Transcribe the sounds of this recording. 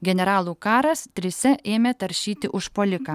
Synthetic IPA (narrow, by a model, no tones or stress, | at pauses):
ɡʲɛnʲɛɾɑːlˠuːkɑːɾɐst̪ʲɾʲɪsʲɛʔeːmʲeːt̪ɐɾʲʃʲiːt̪ʲɪʔʊʃpoːlʲɪkɑː